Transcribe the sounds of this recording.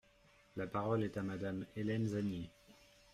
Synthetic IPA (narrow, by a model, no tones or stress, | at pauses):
lapaʁɔlɛt̪amad̪amelɛnzanje